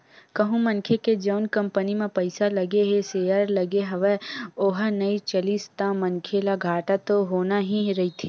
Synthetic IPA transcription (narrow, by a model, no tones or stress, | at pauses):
kɐɦũmɐnkʰeked͡ʒɐʊnkɐmpənimẽpɐɪsalɐɡeɦeseːəɾlɐɡeɦɐʋeoːɦənɐit͡ʃɐlist̪amɐnkʰelaɡʱaːʈat̪oɦoːnaɦĩɾɐɦit̪ʰi